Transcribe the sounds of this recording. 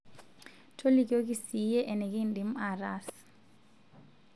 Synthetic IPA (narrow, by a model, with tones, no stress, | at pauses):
tʰo˦li˦k̬ʼo˦k̬ʼi˦si˨jɛ˦ʔɛ˨nɛ˨k̬ʼi˦ndi˨m̩araːs